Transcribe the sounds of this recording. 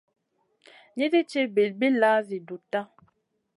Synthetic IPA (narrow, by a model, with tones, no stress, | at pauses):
ɲi˦di˦t͡ʃe˦bi˨lbi˦la˦zi˨du˨ta˦